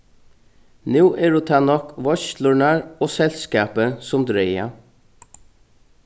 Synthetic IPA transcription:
nʉːʔɛɹut̪ʰɑːnɔkʋɔçt̪lʊɳaɹoːsɛlskɑːpəsʊmd̪ɾeɪa̰

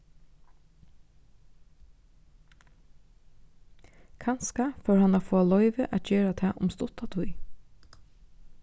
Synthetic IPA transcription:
kʰanskafœːɹhanafoːalɔʏʋəʔæ̰t̪̚d͡ʒeːɹat̪ʰɛːʔʊ̰mst̪ʊt̪at̪ʰʊj

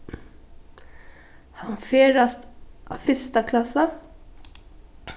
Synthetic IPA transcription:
hɑnfeːɾast̪ʔɑ̰fʏst̪akʰlɑsə

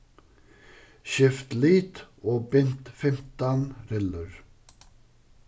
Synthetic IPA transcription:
ʃɛft̪liːt̪oːbɛnt̪fɛmt̪ɑnɾɛləɾ

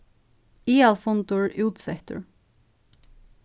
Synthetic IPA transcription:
iːɑlfɔnt̪ʊɹʔʉːt̪sɛt̪ə̰ɹ

